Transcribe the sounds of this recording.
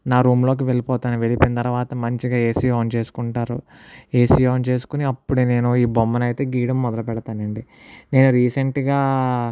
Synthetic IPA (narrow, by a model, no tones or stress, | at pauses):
naːɾuːmlo̞ːk̬iʋe̞ɭipɔːt̪aːniʋe̞lipint̪ɐɾɐʋaːt̪ɐmɐɲt͡ʃiɡaːeːsijoːnt͡ʃe̞ːsu̥kuɳʈaːɾu | e̞ːsijoːnt͡ʃe̞ːsu̥kuniɐpːuɽune̞ːnuiːbomːɐnɐjt̪e̞ːɡiːɽɐmːɔd̪ɐlɐpɛɽɐt̪aːnɐɳɖi | ne̞ːnuɾiːseɳʈɡaː